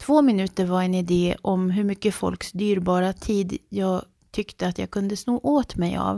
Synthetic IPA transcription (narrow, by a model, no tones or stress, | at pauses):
t̪ʰvoːmɪnʉ̟ːt̪əɾvaɾɛnɪd̪eːʔɔmɦɵɾmʏkːəfɔ̰lksd̪yːɾbɑːɾat̪ʰiːd̪jɑːɡ | t̪ʰʏkt̪əat̪jɑ̰ːɡ̚kʰɵnd̪əsnoːʔoːt̪mɛjɑ̰ːv